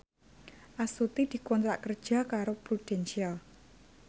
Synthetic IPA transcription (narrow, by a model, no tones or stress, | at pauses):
ʔasut̪id̪̥i̤kɔnt̪ɾaʔkərd̥ʒ̥ä̤kaɾopɾud̪̥ɛnʃial